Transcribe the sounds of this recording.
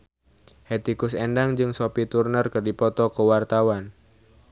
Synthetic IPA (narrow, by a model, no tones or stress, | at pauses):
het̪ikʊsendaŋd͡ʒɨŋsopit̪urnərkɨrdipɔt̪ɔkəwart̪awan